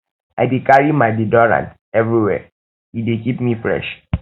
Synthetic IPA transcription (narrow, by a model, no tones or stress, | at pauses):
a̰dekaɹimaɪdedɔɹã̰nt | ɛvɹiwɛ̰ | idekipmifɹɛ̰ʃ